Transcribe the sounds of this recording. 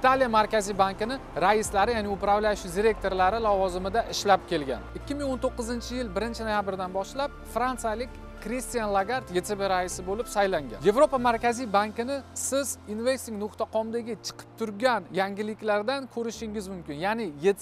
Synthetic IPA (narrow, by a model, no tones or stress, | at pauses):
ɪt̪ʰalijamaɾkʲazijbaŋkʲɪnɪ | ɾaɪslaɾɪjanɪʊpɾavlaʃɪd̪ʲiɾe̞k̚t̪ʰo̞ɾlaɾɪlˠɒvɒzɪmɪd̪aʔɪʃlap̚kʲʰe̞lɡʲa̰nɪkʲːɪmɪŋont̪ʰoqːɨzɪnt͡ʃʰɪjɪlˠbɪɾɪnt͡ʃʰɪnojabɪɾd̪anbɒʃlap̚ | fɾant̪sɨjalɪkʲː | ɾist̪ijanlˠaɡaɾt̪je̞t̪ʰebeɾaɪsɪbolɪpsajlaŋɡʲa̰nje̞vɾopamaɾkʲazijbaŋkʲɪnɪsɪzinvest̪ɪŋnʊχt̪ʰaqʰɒmd̪aɡʲɪt͡ʃʰɨ̥qʰɨ̥p̚t̪ʰʊɾɡʲanjaŋɡʲɪlɪkʲlaɾd̪ankʲʰɵɾɪʃɪŋʲɪzmʊmkʲɪnjanɪjet̪